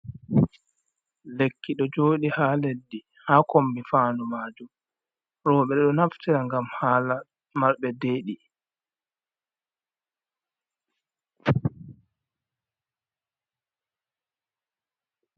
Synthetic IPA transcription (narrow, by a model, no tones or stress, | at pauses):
lekʰːiɗɔd͡ʒoːɗihaːledːi | haːkombifaːnumaːd͡ʒum | ɾɔːɓɛɗɛɗɔnaftiɾaŋɡamhaːla | maɾɓɛdeːɗi